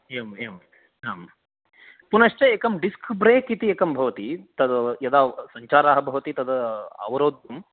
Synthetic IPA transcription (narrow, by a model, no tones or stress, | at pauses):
emeːm | ɦaːm | punɐʃt͡ʃɐeːkɐmɖiskbɾeːkit̪ieːkɐmbʱɐʋɐt̪it̪ɐd̪ɐjɐd̪aːsɐɲt͡ʃaːɾaːɦɐbʱɐʋɐt̪it̪ɐd̪ɐɐ̰ʋɐɾoːd̪jɐm